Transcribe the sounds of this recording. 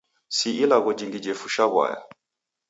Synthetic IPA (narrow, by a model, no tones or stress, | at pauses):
siilaɣɔd͡ʒiŋɡid͡ʒɛfuʃaβwa̰ja̰